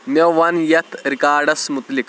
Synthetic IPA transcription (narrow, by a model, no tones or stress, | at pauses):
mjɐʋɐnjɐt̪ʰɾikaːɾɖɐsmut̪lik